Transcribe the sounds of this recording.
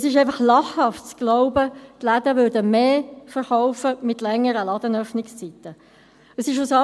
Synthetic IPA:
əsɪʃɛɪfɑχlɑχhɑftt͡sɡ̥lɔʊbət̪læd̪əʋʏːɾdəmeːfəɾχaʊfəmɪt̪lɛŋːəɾəlɑd̥̪ənœfnɪkst͡sit̪ːə | əsɪʃ̬ʊsɑ

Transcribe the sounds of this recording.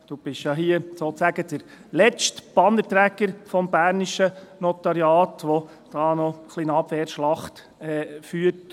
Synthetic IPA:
d̥ub̥ɪʃjɑɦiəsoːtsæɡəd̪̥əɾ | lɛt͡ʃtb̥ɑnətɾæːɡəɾfɔmbæːɾniʃənɔt̪ɑɾjɑːtʋɔ | d̥ɑːnɔχlinɑb̥ʋɛɾʃlɑχt | ɛːfyːəɾt

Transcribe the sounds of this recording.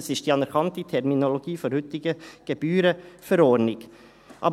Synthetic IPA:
sɪʃd̥̪iːɑnəɾkʰɑnt̪ət̪ʰɛɾmɪnɔloɡiːfɔɾhʉt̪ɪɡəɡ̥əbyːɾəfɔɾoːɾnɪɡ̥ | ʔɑ̰b

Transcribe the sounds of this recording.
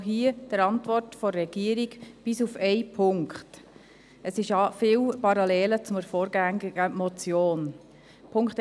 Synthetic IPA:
ɦiəd̥əɾɑntʋɔrtfɔːɛɡ̥iəɾiɡb̥ɪsufɛɪpʰʊŋkχt | əsɪʃɑfɪːwpɑɾɑlɛːlət͡sʊməɾfɔːɾɡæŋiɡəmɔt͡sjoːn | pʰʊŋkχt

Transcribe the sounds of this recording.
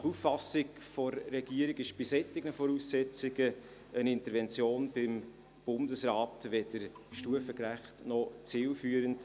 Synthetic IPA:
nɑχufːɑsɪkfɔɾːɛɡ̥iəɾɪɡɪʃb̥isɛtɪɡnəfɔɾuːsːɛt͡sɪɡə | ənɪntəɾvɛnt͡sjoːnb̥ɪm | b̥ʊndəsɾɑːtʋɛd̥əɾʃtuəfəkræχtnɔt͡siːlfyːəɾənt

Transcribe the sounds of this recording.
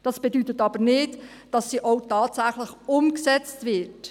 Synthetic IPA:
d̥ɑsb̥edytətɑbəɾnɪt | d̥ɑsːiʔoʊtɑːtsæχləχʊmksɛt͡stvɪt

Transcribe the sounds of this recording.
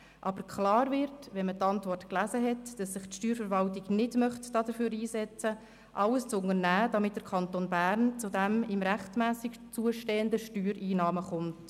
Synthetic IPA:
ʔɑb̥əɾkχlɑːɾvɪɾtʋɛnmətɑntvɔrtklæːzəɦɛtd̥ɑsːɪχtʃtyːɾfəɾvɑltɪɡnɪdmœχtd̥ɑːd̥əɾføːɾiːsɛt͡sə | ʔɑləst͡sʊŋənæːd̥ɑmɪt̚d̥əkʰɑntoːnbæɾnt͡sudæmɪmɾæχtmæːsɪkt͡suəʃteːəndəʃtyːɾiːnɑːməχʊnt

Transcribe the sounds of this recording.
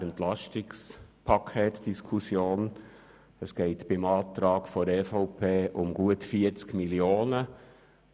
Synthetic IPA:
əntlɑʃtɪkspʰɑkʰeːt̪d̥iskʰusjoːn | əsɡ̥ɛɪt̪b̥ɪmɑːt̪ɾɑːɡfɔɾɛfɔʊpʰeːʔʊmɡuətfiəɾt͡skmiljoːnə

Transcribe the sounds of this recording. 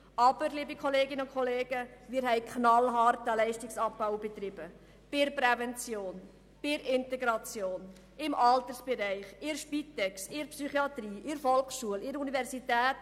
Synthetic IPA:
ʔɑb̥əɾliːbikχɔleːɡɪnəʊnkʰɔleːɡ̥əmɪːɾɦɛɪkχnɑlɦɑɾtəlɛɪʃtɪksɑpːaʊb̥ɛt̪ɾɪb̥ə | b̥ɪɾpɾɛvɛnt͡sjoːn | b̥ɪɾɪnteɡɾɑt͡sjoːn | ɪmʔɑlt̪əsb̥ɛɾɛɪχɪɾʃpitːɛksɪɾpsyχiɑt̪ɾiːʔɪɾfɔlkʃuəlɪɾunivɛɾsitɛːt

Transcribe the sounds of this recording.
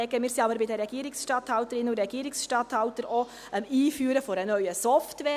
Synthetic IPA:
ɛɡəmiːɾsɑbəɾbɪdɛɾːɛɡ̥iːɾɪksʃtɑthɑʊtəɾɪnʊɾɛɡ̥iːɾɪksʃtɑthɑʊtəɾo | ɛmiːfyːɾəfoɾənœʏəsɔftʋɛː

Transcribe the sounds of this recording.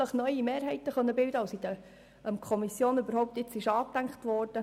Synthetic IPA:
əχnœʏimeːɾɦɛɪt̪əχœnːəbɪld̪əɑʊsid̥̪ə | əmkʰχɔmisjoːnybəɾhɔʊwp̚t̪ɪt͡sɪʃɑːktæŋkχt̪ʋɔːrd̥ə

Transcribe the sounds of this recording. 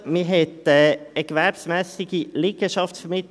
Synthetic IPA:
mɪɦɛtɛəkʋæɾpsmæːsɪɡiliɡ̥əʃɑftfəmɪt

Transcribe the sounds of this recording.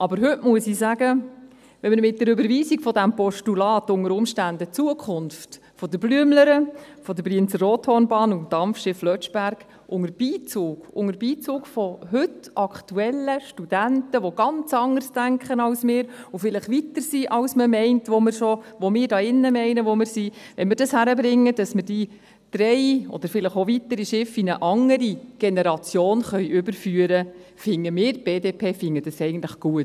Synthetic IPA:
ɑbəɾɦʏʔmuəsisæɡə | ʋɛməɾmɪt̚dɛɾʏbəɾʋiːsiɡfɔdæmpɔʃtulɑːtʊŋəɾʊmʃtændət͡suəkχʊnft | fɔd̪əblyəmləɾəfɔd̪əbɾiənt͡səroːthɔːnbɑːnud̥ɑmfʃɪflœt͡ʃb̥æɾɡ̥ | ʔʊŋəɾb̥iːt͡suːɡ̥ʊŋəɾbiːt͡suːɡfɔɦʏtɑkχtuɛlːəʃtud̥æntəʋɔɡɑnt͡sɑŋəɾsd̥æŋkχənɑwsmɪːɾʊfɪlɪχʋitəɾsiʔɑwsməmɛɪntʋomɪɾʃɔʋomɪːɾdɑːɪnːəmɛɪnəʋomɪɾsi | ʋɛnmɪːɾdɑshæɾəbɾɪŋːəd̥ɑsmɪɾd̥i | d̥ɾɛɪɔ̰d̥̪əɾfɪləχoʋitəɾiʃɪfinəʔɑŋːəɾiɡ̥ɛnɛɾɑt͡sjoːnχœʏʔʏbəɾfyːəɾəfɪŋːəmɪːɾb̥eːdeːpʰeːfɪŋːəd̥ɑsɛɪɡən̩t̪ləχɡ̥uət

